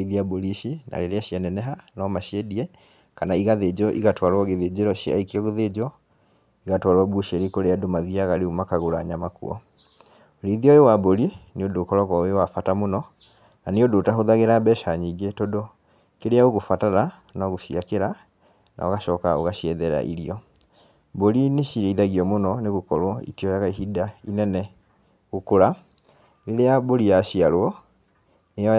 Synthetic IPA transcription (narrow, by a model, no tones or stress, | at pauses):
ðiaboɾiʃina̰ɾeɾeaʃianɛnɛɦanɔmaʃiɛdiɛ | kanaiɣaðed͡ʑɔʔḭɣatwaɾwɔɣeðed͡ʑeɾɔʃia̰ikiɔɣeðed͡ʑɔ | iɣatwaɾwabuʃeɾikoɾeadomaðiaɣaɾeumakaɣoɾaɲamakṵɔ̰ | oɾiðiaoewaboɾineondoːkɔɾɔɣɔoewafatamonɔ | naneodoːtaɦoðaɣeɾabɛʃaɲiɡetodo | keɾeaoɣofataɾa | naɣoʃiakeɾa | na̰oɣaʃɔːkaoɣaɕiɛðɛɾa̰ʔḭɾiɔ | boɾineɕiɾeiðaɣiɔmonɔneɣokɔɾwɔḭtiɔjaɣaiɦidainɛnɛ | ɣokoɾa | ɾeɾeaboɾijaɕiaɾwɔ | nejɔ